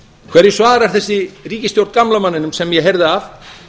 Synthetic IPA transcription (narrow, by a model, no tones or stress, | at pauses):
kʰvɛɾjɛsvaːɾaɾ̥θɛsːɪriːcɪst̪jowɾt̪kamlamanːɪnʏmsɛmjɛɦejɾðɪaf